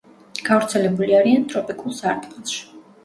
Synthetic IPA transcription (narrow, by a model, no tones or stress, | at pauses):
ɡ̥avɾt̪sʰɛlɛbuliaɾiant̪ʼɾɔpʼikʼulˠsaɾt̪ʼkʼɛnˠʃi̥